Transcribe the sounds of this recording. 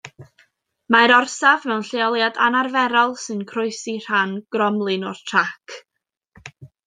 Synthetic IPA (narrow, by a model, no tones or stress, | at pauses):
maɾɔrsavnɛwnɬeɔlˠjada̰narvɛɾɔlˠsɨnkʰrʊɨsir̥anɡ̥rɔmlˠɨnɔrtʰrakʰ